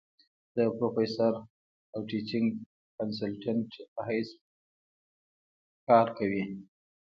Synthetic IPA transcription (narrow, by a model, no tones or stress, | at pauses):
d̪̥əpɾofesaɾ | awʈit͡ʃɪŋɡ | kansalʈaɳʈpaɦajs | kɑɾkawi